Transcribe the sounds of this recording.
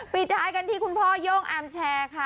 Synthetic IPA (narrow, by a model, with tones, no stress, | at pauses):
pi˨˩t̪̚t͡ɕʰaː˨˧jka˧nt̪ʰiː˥˩kʰu˧npʰɔː˥˩joː˥˩ŋʔaː˧mt͡ɕʰɛː˧kʰa˦˥˩